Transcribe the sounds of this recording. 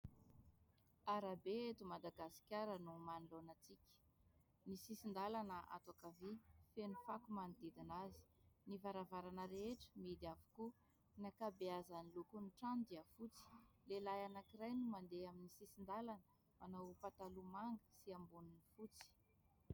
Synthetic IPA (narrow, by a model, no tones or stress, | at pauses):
aɾabeet̪umad̪aɡasi̥kʲaɾənumanilonat͡sikʲə̥ | nisisind̪alanəʔa̰t̪akavifenufakumanid̪id̪inazi̥nivaɾavaɾanəɾeeʈ͡ʂə̥mid̪avu̥ku | nakabeazanilukuniʈ͡ʂand̪iafut͡si̥lelajanakiɾajnumand̪eaminisisind̪alanə̥ | anawupat̪alumaŋɡə̥siambununifut͡si̥